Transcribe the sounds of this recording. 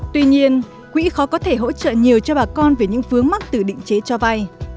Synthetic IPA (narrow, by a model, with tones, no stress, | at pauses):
t̪wi˧ɲi˧ən | kwḭ˧˥xɔ˨˦kɔ˨˦t̪ʰe˧˩ɦo̰˧˥t͡ɕə̰ː˧˨ɲi˨˩əwt͡ɕɔ˧ɓaː˨˩kɔ˧nve˨˩ɲɨ̰˧˥ŋfɨ˨˦əŋma˦˥k̚t̪ɨ˨˩ɗḭ̈˧˨ŋ̟t͡ɕe˨˦t͡ɕɔ˧va˧j